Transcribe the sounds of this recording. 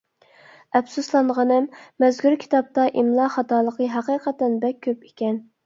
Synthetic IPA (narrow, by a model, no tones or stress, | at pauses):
ɛbsuslˠɑɴʁɑnɨmːɛzkʰʲuɾkʲʰi̥t̪ɑp̚t̪ɑʔimlˠɑχɑt̪ɑːlˠəqəɦɑqiːqʰɛt̪ːɛnbɛk̚ʲʰːøpe̥kʲɛn